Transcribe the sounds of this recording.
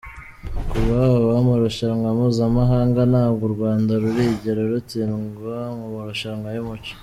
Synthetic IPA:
kuβaβamuɾoʃaaŋɡamuːzamaɦaːŋɡanaːbɡoɾɡwaːndaɾuɾiɟeɾeɾutinɡoŋumuɾoʃaŋɡajumuci̥

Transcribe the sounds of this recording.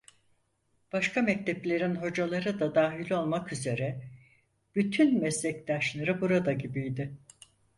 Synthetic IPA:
b̥aʃkʰamɛc̚t̪ʰɛplʲe̞ɾinɦo̞d͡ʒalˠaɾɯd̪ad̪aːɦilʲo̞lˠmakyze̞ɾɛ | b̥yt̪ʰynmɛslʲɛct̪aʃlˠaɾɯbuɾad̪aɟibijd̪ɪ

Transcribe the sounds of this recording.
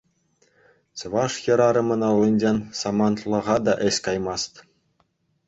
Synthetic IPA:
sɤ̆ʋɑʂjɤ̆ɾɑɾɤ̆mɤ̆nɑlˠːɤnʲd͡ʑenʲsɑmɑnt̪lˠɤ̆ʁɑd̪ɑʔɘ̆ɕʲkɑjmɑst̪ʲ

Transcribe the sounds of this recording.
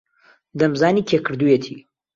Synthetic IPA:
d̪ɐmzaːniːkʰekʰɨɾd̪ujet̪ʰḭː

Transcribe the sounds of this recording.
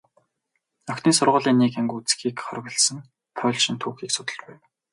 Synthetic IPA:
œkt̪iːnsʊrʁʊːɮiːnːiːkæŋɡut͡sxiːkχɔrɣʲə̆ɮsə̆ŋ | pʰɔːɮʃĭnt̪ʰuːxiːksʊ̥t̪ə̆ɮpæjw

